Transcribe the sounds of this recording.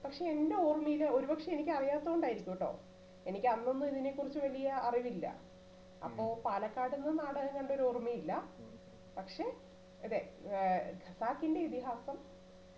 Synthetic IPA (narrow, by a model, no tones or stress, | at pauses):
pɐkʂe̞ende̞oːrmijilːɐo̞ɾubɐkʂeenikʲːɐrijaːt̪ːɐouɳɖaːjiɾikʲːuʋɐʈːo̰ː | e̞nikʲːɐnːo̞nːuiðine̞kːurit͡ɕːuʋɐlijɐɐriʋilːɐ̰ | ɐ̰pːo̞ːpaːlɐkːaːɽinːɨnaːɽɐɣɐŋːɡɐɳɖeo̞ɾuormijilːɐ | pɐkʂe̞ | ɐðe | ɡʱɐsaːkːinde̞it̪iɦaːsɐm